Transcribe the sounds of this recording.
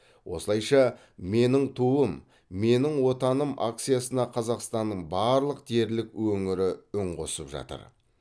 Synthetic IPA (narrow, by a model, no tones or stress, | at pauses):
wʔo̞̰səlˠɑjʃɑ | me̞nɪŋt̪ʰuəm | me̞nɪŋwo̞t̪ɑnəmʔa̰k̚t̪sijasənɑqʰɑzɑqst̪ɑnːəɴbɑɾlˠəq̚d̪̥ʰe̞ɾlɪkwɵŋɪɾɪʏɴqo̞səpʒɑ̰t̪ə̰ɾ